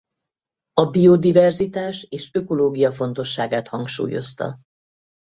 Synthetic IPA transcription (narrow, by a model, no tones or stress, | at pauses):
ɒbio̞d̪ivɛrzit̪aːʃeːʃøko̞loːɡijɒfo̞nt̪o̞ʃːaːɡaːt̪hɒŋkʃṵːjo̞̰st̪ɒ̰